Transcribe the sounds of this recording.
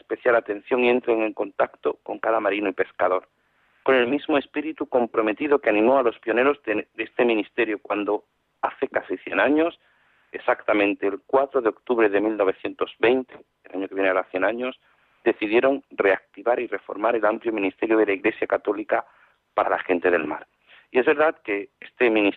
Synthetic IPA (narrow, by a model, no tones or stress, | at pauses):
espe̞θjalat̪ẽ̞n̟θjo̞ŋie̞nt̪ɾeŋẽ̞ŋko̞nt̪akt̪o̞ko̞ŋkaðamaɾinoipe̞skaðo̞ɾ | ko̞ne̞lmizmoe̞spiɾit̪uko̞mpɾo̞me̞t̪iðokeanĩmo̞alo̞spjo̞ne̞ɾo̞zed̪est̪e̞mĩnist̪e̞ɾjokwand̪o̞ | aθe̞kasiθje̞̰naɲo̞s | esakt̪amẽnt̪eːlkwat̪ɾo̞ðeo̞kt̪uβɾe̞ðe̞milno̞β̞e̞θje̞nt̪o̞zβe̞jnt̪e̞ | elaɲokeβjeneaɾaθje̞naɲo̞s | d̪e̞θiðje̞ɾo̞nre̞ak̚t̪iβaɾire̞fo̞̰ɾmaɾe̞lampljo̞mĩnist̪e̞ɾjoð̞e̞laiɣle̞sjakat̪o̞lika | paɾalaxe̞nt̪e̞ðe̞̰lma̰ɾ | ie̞zβe̞ɾðaðke̞est̪emĩnis